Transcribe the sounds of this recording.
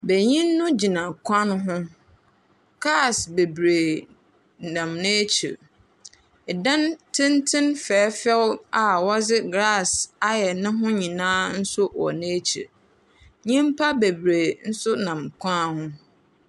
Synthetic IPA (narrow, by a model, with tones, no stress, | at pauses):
be˨ɲĩ˦nː˦ʊ̃˦d͡ʑi˨nã˨kʷʰã˦ñ˦ɦʊ̃˦ | ɡ̥ɾa˦˨sbe˨bɾe˨ | nã˨mnẽː˦t͡ɕʰḭ˨ | ɛ˨dã˦ntʰɪ̃˦ntʰɪ̃˦nfɛː˨˦fɛ˦wa˨wɔ˦d͡zɪ˦ɡɾa˦˨sa˦jɛ˨nɪ̃˦ɦʊ̃˦ɲĩ˨nãː˦n̩˦sʊ˦wɔ̰˨nẽ˦t͡ɕʰḭ˨ | ɲĩ˦m˦pʰa˦be˨bɾe˨n̩˦sʊ˦nã˨mkʷʰã˦˨hʊ̃˦